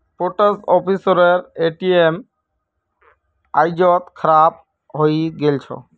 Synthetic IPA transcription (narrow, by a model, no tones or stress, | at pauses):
poʈəsɔpʰisɔɾeɾeʈiem | ajd͡ʑɔt̪kʰɾap̚ | ɦojɡelt͡ɕʰɔ̰